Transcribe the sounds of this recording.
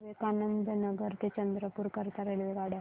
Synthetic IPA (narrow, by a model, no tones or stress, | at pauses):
ʋekanənd̪ʱənəɡəɾt̪et͡ɕənd̪ɾəpuɾkəɾt̪aɾelʋeɡaɽe